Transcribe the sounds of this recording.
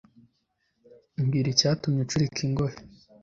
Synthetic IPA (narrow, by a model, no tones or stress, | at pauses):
mɡiːɾicaːtumɲet͡ʃuɾikʰiŋɡoɾe